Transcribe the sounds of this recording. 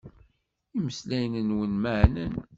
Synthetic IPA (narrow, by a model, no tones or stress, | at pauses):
iməslæjnənwənməʕnən